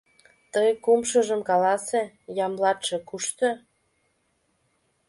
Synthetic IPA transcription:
t̪əjkumʃəʒəmkɑlɑse | jɑmlɑt̪ʃĕkuʃt̪ø

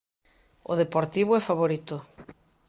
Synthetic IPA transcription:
o̰ðepoɾt̪iβʊɛfaβoɾit̪ʊ

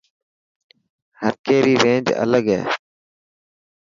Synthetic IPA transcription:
həɾkeːɾiːɾẽːnd͡ʒə̰ləɡɦḛː

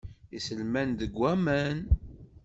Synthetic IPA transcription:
isəlmænðəɡʷːæmæn

